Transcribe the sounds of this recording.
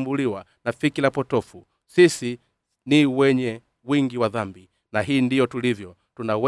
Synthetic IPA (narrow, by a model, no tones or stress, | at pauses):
mbuliwa | nafikilapɔtɔfu | sisi | niwɛɲɛ | wiŋɡiwaðambi | naɦiːndijɔtulivjɔ | tunawɛ